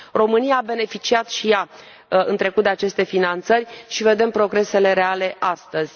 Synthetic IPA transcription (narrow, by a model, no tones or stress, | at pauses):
ro̞mɨnijaːbe̞ne̞fit͡ʃiat̪ʃija | ɨnt̪ɾe̞kut̪̚d̪eat͡ʃe̞st̪e̞finant̪sərʲʃive̞d̪e̞mpɾo̞ɡɾe̞se̞le̞ɾe̞ale̞ʔast̪əzʲ